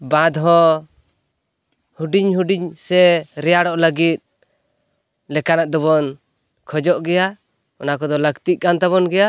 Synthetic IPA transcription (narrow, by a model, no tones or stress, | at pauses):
bãd̪ɦɔ | huɖiɲɦuɖiɲsɛɾɛjaɽɔʔləɡit̪̚ | lɛkanaʔd̪ɔβɔn | kʰɔd͡ʒɔʔɡɛja | ɔnakɔd̪ɔləɡt̪iʔ̚kant̪aβɔnɡɛja